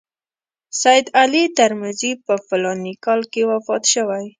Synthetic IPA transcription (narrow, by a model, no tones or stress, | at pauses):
sajɪd̪alit̪aɾmazipəfɪlɑnikɑlkewafɑt̪ʃəwaj